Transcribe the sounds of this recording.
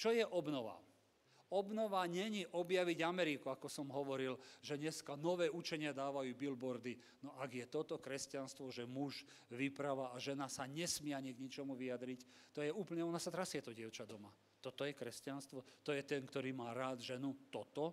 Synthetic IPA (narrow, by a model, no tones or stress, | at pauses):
t͡ʃɔjɛʔɔbnɔʋa̰ | ɔbnɔʋaɲɛɲiʔɔbjaʋiɟamɛɾikuakɔsɔmɦɔʋɔɾilʒɛɲɛskanɔʋɛːut͡ʃɛɲɪad̪aːʋajuːbilbɔɾd̪i | nɔʔaɡjɛt̪ɔt̪ɔkɾɛscanst̪ʋɔʒɛmuʒ | ʋipɾaʋaːʒɛnasaɲɛsmɪɛaɲiɡɲit͡ʃɔmuʋijad̪ɾict̪ɔjɛuːpəɲɛɔnasat̪ɾasjɛt̪ɔɟɪɛʊt͡ʃad̪ɔma | t̪ɔt̪ɔjɛkɾɛscanst̪ʋɔt̪ɔjɛt̪ɛnkt̪ɔɾiːmaːɾaːd̪ʒɛnut̪ɔt̪ɔ